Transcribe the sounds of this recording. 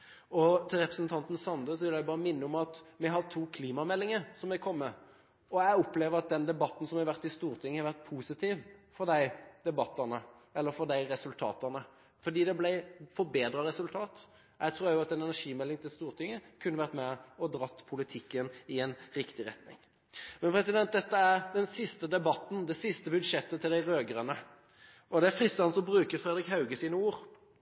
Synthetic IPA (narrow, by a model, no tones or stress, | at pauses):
ɔt̪ʰɪlɾɛpɾəsnt̪ʰɑnt̪n̩sɑnd̪əsɔʋɪljæɪbɑːʁəmɪnːəɔmɑt̪mɛɦɑɾt̪ʰuːkʰliːmɑmɛlːɪŋəsɔmɛkʰɔmːə | ɔæɪɔpleːʋəɾɑt̪̚d̪ɛnd̪ɛbɑt̪ːn̩sɔmɛʋæʁt̪ːɪst̪uːɾt̪ʰɪŋːəhɑɾʋæʁt̪̚pʰuːsɪt̪ʰiːʋfɔd̪æɪd̪ɛbɑt̪ːəʁnə | ɛlːəɾfɔd̪æɪɾɛsʉlt̪ʰɑ̰ːt̪əʁnə | fɔɾd̪iːd̪ɛblæɪfɔɾbeːd̪ɾɑɾɛsʉlt̪ʰɑːt̪ | æt̪ʰɾuːjæjʊɑt̪ɛnɛnæʂiːmɛlːɪŋt̪ʰɪlst̪uːʁt̪ʰɪŋːəkʰʉnːəʋæʁt̪mɛɔd̪ɾɑt̪ːpʰʊlɪt̪ʰɪkːənɪɛnʁɪkt̪ɪɾɛt̪nɪ̰ŋ | mɛnpʰɾɛsɪd̪ɛnt̪̚d̪ɛt̪ːəæʁd̪ɛnsɪst̪əd̪ɛbɑt̪ːn̩d̪ɛsɪst̪əbʉd̪ʂɛt̪ːət̪ʰɪld̪æɪɾøːɡəʁənə | ʔɔd̪ɛæfɾɪst̪ːɑnsɔmbɾʉːkəɾfɾɛd̪ʁɪkhɑʉɡəsiːnəuːɾ